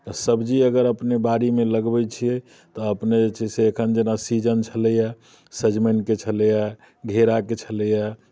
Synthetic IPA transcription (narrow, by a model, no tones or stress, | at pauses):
t̪ɔsəbd͡ʒiəɡəɾəpnebaɾimeləɡbɛt͡ʃʰijɛ | t̪ɔəpnet͡ʃɛseːkʰənd͡ʒenasid͡ʒənt͡ʃʰələja | səd͡ʒmeɳʈ̚ket͡ʃʰələja | ɡʱeɾaket͡ʃʰələja